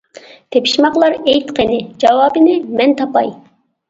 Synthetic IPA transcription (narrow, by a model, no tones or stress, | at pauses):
t̪ʰepʰi̥ʃmɑqlˠɑɾɛjt̪qʰenɪd͡ʒɑwɑːbɪnɪmɛnt̪ʰɑpɑj